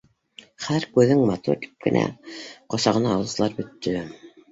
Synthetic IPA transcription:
χæɾkʉðɘŋmɑt̪ṵɾt̪i̥p̚kɘ̰̆næ̰qŏsɑʁɤ̆nɑːwˠɤ̆zlˠɑɾbɵ̆t̪ːɵ

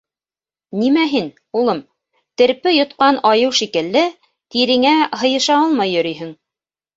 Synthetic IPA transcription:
nimæɦin | ulˠɤm | t̪ɘ̆ɾpɘjŏt̪qɑnɑjɤwʃikɘ̆lːɘ | t̪iɾɘ̆ŋæɦɤ̆jɤ̆ʃɑɑlˠmɑjːɵ̆ɾyjɦɘŋ

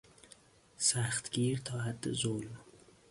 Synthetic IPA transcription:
sæxt̪ɡiːɾt̪ʰɒːɦæd̪ːḛzolm

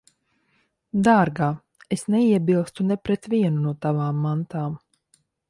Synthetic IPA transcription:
d̪aːɾɡaː | esnɛiɛbilˠst̪unɛpɾɛt̪viɛnunuɔt̪avaːmːant̪aːm

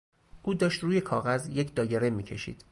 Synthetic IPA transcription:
ʔuːd̪ɒːʃt̪ruːje̞kʰɒːɣæzje̞cʰd̪ɒːjeɾemiːcʰe̞ʃḭːd̪̥

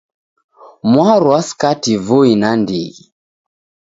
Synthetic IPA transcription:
mwaɾuaskativoinandiɣi

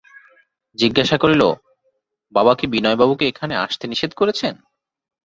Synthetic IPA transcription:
d͡ʑiɡːaʃakoɾilo̰ | babakibinɔebabukeekʰanea̰ʃt̪eniʃed̪koɾet͡ɕʰen

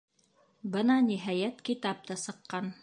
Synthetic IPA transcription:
bɤnɑniɦæjæt̪kit̪ɑp̚t̪ɤsɤ̆qːɑn

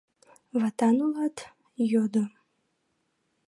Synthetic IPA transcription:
vatʰanulatʰ | jod̪ɨ

